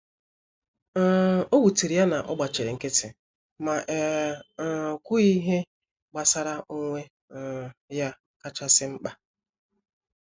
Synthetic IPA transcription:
o˦wu˨ti˨ɾi˨ja˦na˨ʔɔ̰˦ɡ͡ba˨t͡ʃe˨ɾe˨ŋ̩˦ke˦tɪ˨ | ma˨ʔ | kʷu˦i˦ɦe˦ | ɡ͡ba˨sa˦ɾa˦ʔo˦ŋʷe˦˨ | ja˦ | ka˦t͡ʃa˦sɪ˦ŋ͡m̩˦k͡pa˦

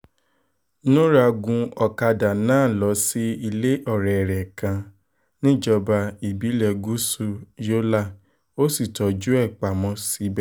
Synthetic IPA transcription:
nũ˦ɾa˧ɡũ˧ɔ˨˧ka˧da˨nãː˦˨lɔ˨˦si˦i˧le˦ʔɔ˦˨ɾɛ˨ɾɛ˨kã˧ | nĩ˦d͡ʒɔ˧ba˧i˨bi˨˦lɛ˧ɡu˦su˧jo˦la˦˨ | o˦si˦˨tɔ˨˦d͡ʒu˦ɛ˦˨k͡pa˨mɔ̃˧˦si˨˦bɛ˦˨

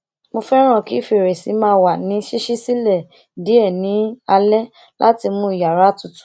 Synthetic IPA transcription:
mo˧fɛ˦ɾ̃ã˦˨ki˨˦fi˧˨ɾe˨si˨˦mãː˧˦wa˨nĩ˨˦ʃi˦ʃi˦si˦lɛ˦˨ | di˨˦ɛ˦˨nĩ˨˦a˧lɛ˦ | la˦ti˧mũ˧˦i˨ja˨ɾa˨˦tu˨˧tu̥˦

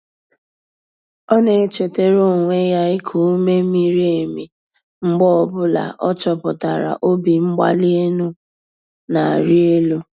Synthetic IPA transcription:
ɔ˦ne˨e˨˦t͡ʃe˨te˦ɾo˦˨ŋʷe˦ja˦ɪ˦kʰu˨˦me˦mi˦ɾi˦e˨mi˨ | ŋ͡m̩˦ɡ͡bɔ˦ɔ˨bʊ˦la̰˨ʔɔ˦t͡ʃɔ˨pʊ˨ta˨ɾa̰˨ʔo˦bi˨ŋ͡m̩˦ɡ͡ba̰˦li˦e˦nu˦ | na˨a˨ɾi˦e˦lu˦

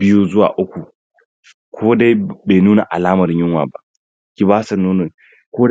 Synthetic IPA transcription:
bɪ˦ju˦zʊ˦wa̰ː˨ʔʊ˦kʷu˨ | kʷʰoː˦da˦beː˨nuː˦na˨ʔa̰˨laː˦mɐ˨ɾɲɪ˦ŋwa̰ː˨ba˦ʔ | kʲi˦baː˦sɐ˨nuː˦nɔ˨n | koː˦

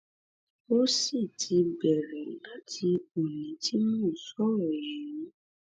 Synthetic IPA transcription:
o˦si˦˨tʰi˧bɛ˨ɾɛ˨la˦tʰi˧o˨lĩ˨˦ti˦mũː˦˨sɔ˨˦ɾɔ˨jɛ˨nĩ˨˦

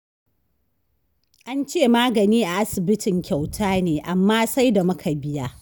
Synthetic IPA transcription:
ʔa˦nt͡ʃeː˦˨maː˦ɡɐ˨niː˦ʔa˨ʔa˦sɪ˨bɪ˦tɪ˨ŋkʲa˨wtʰaː˦neː˨ʔa˨mːaː˦sa˦jda˨mʊ˦kʰa˨bɪ˦jaː˦

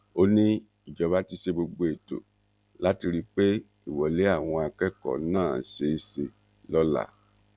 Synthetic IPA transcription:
o˦nĩ˦ | i˨d͡ʒɔ˨˦βa˦ti˧ʃe˧bo˧ɡ͡bo˧e˨to̰˨ | la˦ti˧ɾi˦k͡pe˦ | i˦˨wɔ˨le˨˦a˦˨w̃ɔ̃˧a˧kɛ˦kɔ̰˨˦nãː˦˨se˨˦se˧ | lɔ˦la̰˦˨

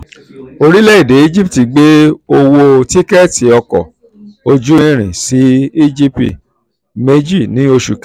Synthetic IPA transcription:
o˧ɾi˦lɛ˦i˦˨de˨˦i˦d͡ʒi˦pti˨ɡ͡be˦o˧wo˧ti˦kɛ˦ti˨˦ɔ˧kɔ̰˨ | o˧d͡ʒũ˦ĩ˦˧ɾ̃ĩ˨si˨˦i˦d͡ʒi˦ptḭ˨ | me˦d͡ʒi˦˨nĩ˨˦o˧ʃu˨kɛ˦

